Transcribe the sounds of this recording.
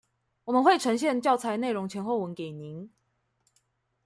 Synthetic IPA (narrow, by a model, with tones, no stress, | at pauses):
wɔ˨˩mə˨˦nxwe˥˨ɪʈ͡ʂʰɤ˧˥ŋɕjɛ˥˧nt͡ɕjɑ˥˨ʊt͡sʰa˧˥ɪne˥˩ɪɻʊ˧˦ŋt͡ɕʰjɛ˧˥nxwo˥˩ʊwə˧˦nke˨˩ɪni˨˦ŋ